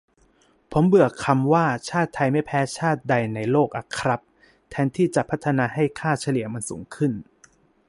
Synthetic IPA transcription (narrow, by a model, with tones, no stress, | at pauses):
pʰo˩˦mbɯ˨˩əkʰa˧mwaː˥˩t͡ɕʰaː˥˩t̪ʰːa˧jma˥˩jpʰɛː˦˥t͡ɕʰaː˥˩t̪̚da˧jna˧jloː˥˩k̚ʔa˧˩kʰɾa˦˥p̚ | t̪ʰɛː˧˥nt̪ʰiː˥˩t͡ɕa˨˩pʰa˦˥t̪ʰːa˧naː˧ɦa˥˩jkʰaː˥˩t͡ɕʰa˧li˨˩˦əma˧nsṵː˩˦ŋkʰɯ˥˩n